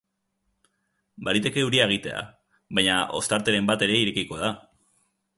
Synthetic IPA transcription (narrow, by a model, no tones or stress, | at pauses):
baɾit̪e̞ke̞uɾiae̞ɣ̞it̪e̞̰a̰ | βajɲaʔo̞̰st̪aɾt̪e̞ɾe̞mbat̪e̞ɾe̞iɾe̞kiko̞ð̞a